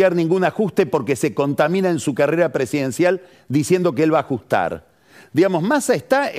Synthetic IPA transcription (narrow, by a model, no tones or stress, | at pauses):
jaɾnĩŋɡunaxust̪e̞po̞ɾke̞se̞ko̞nt̪amĩnaẽnsukareɾapɾe̞siðe̞nsjal | d̪isje̞nd̪o̞k̬eelβaːxust̪a̰ɾ | d̪iɣamo̞smasaest̪a